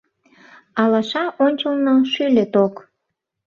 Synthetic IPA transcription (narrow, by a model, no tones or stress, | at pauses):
ɑlɑʃɑʔonʲt͡ɕəlnoʃylʲet̪ok